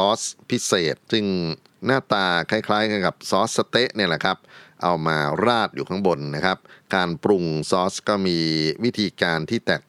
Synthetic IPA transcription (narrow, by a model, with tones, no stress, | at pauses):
ɔː˦˥spʰi˦˥seː˨˩t̪̚sɯ˧˩ŋ | naː˥˩t̪aː˧kʰa˦˥˩kʰlaː˦˥jka˧nka˨˩p̚sɔː˦˥s̚sːa˧t̪e˦˥ʔni˥˩lɛ˨˩kʰa˦˥p̚ʔa˧wmaː˧ɾaː˥˩t̪̚juː˨˩a˦˥ŋbo˧nːa˦˥kʰa˦˥p̚kaː˧npɾu˧ŋsɔː˦˥skɔː˥˩miː˧wi˦˥t̪ʰiː˧kaː˧nt̪ʰiː˥˩t̪ɛː˨˩k̚